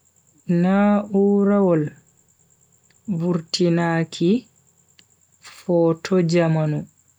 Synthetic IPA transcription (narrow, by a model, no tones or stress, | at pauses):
nauːɾawɔl | buɾtinaːkʰi | fɔːtʰɔd͡ʒamanu